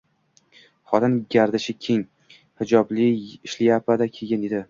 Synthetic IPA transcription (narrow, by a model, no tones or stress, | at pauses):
χɒt̪ʰɪnɡʲaɾd̪ɪʃɪkʲʰeŋ | hɪd͡ʒɒblɪɪʃlɪjapʰad̪akʲʰeɡʲɪned̪ɪ